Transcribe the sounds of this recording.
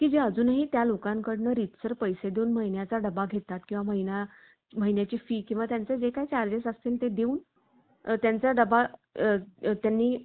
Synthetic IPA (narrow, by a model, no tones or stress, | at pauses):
kiːd͡ʑeəd͡zuːnaɦiːt̪jalokãŋkəɽnəːɾit̪səɾpəjsed̪euːnm̤əɦinjat͡saɖəbaɡʱet̪ːat̪kĩw̃ʋaməɦina | m̤əɦinjat͡ɕiːfiːkĩw̃ʋat̪jant͡sed͡ʑekajt͡ɕaɾd͡ʑesast̪eːlt̪ed̪euːn | t̪jant͡saɖəba | t̪janːiː